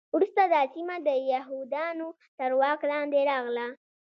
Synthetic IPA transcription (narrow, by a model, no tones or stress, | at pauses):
ɾust̪ad̪əsimad̪əjaɦud̪ɑno | t̪əɾwɑklɑnd̪eɾɑɣla